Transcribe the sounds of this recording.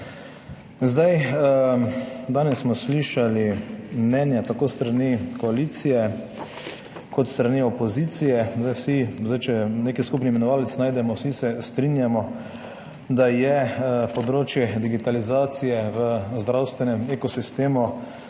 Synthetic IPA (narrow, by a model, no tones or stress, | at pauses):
zd̪aj | d̪aːnɛsːmɔsliːʃalimnɛnjat̪akoːst̪ɾanikɔalit̪sijɛ | kɔt̪st̪ɾaniɔpɔzit̪sijɛzd̪ajwsizajt͡ʃɛneːkiskupnimɛnɔʋaːlɛt̪snaːjd̪ɛmɔwsisɛst̪ɾinjamɔ | d̪ajɛpɔd̪ɾoːt͡ʃjɛd̪iɡit̪alizaːt̪sijɛʋəzd̪ɾawst̪ʋɛnɛmekɔsist̪eːmu